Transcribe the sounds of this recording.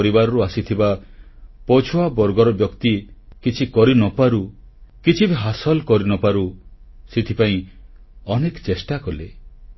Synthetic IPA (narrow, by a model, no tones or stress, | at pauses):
ɾibaɾɔɾuasit̪ʰiba | pɔt͡ʃʰuabɔɾɡɔɾɔbjɔkt̪ikit͡ʃʰikɔɾinɔpaɾu | kit͡ʃʰibeɦasɔlkɔɾinɔpaɾusit̪ʰipaĩ | ɔnekt͡ʃesʈakɔle